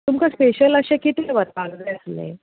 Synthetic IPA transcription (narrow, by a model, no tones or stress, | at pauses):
t̪umkaspeɕələɕekit̪ʰiʋət̪̚baɡd̪eəslḛ